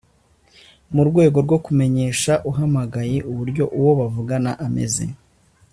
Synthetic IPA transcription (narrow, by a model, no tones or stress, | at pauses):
muɾɡwe̞ːɡo̞ɾɡo̞kume̞ɲe̞ːʃaʔuɦamaɡajeʔuβuɾɟo̞ʔuwo̞βavuɡanaʔame̞̰ze̞̰